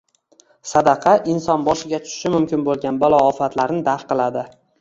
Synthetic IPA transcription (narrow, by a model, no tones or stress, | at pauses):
sad̪ɑqʰɑʔɪnsɒnbɒʃɪɡʲat̪ʰʊ̥ʃɪ̥ʃɪmʊmkʲɪnbolˠɡʲanbalˠɒːfat̪laɾnɪd̪aɾqɨlˠad̪ɪ